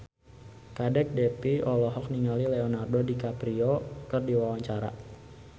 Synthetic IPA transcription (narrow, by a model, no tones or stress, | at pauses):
kadɛk̚dɛpiɔlɔɦɔk̚niŋalileɔnardodikapɾioɔkərdiwawaɲt͡ʃaɾa̰